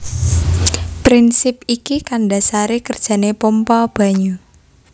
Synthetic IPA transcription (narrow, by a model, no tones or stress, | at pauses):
pɾinsɪp̚ikikandasaɾekərd̥ʒ̥a̤nepompɔb̥ä̤ɲu